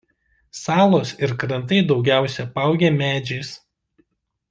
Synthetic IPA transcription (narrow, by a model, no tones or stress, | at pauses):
sɑːlˠoːsɪɾkɾɐnt̪̬ɐɪd̪ɒʊɡʲæˑʊsʲɛpɑˑʊɡʲemʲæːd͡ʒʲɛɪs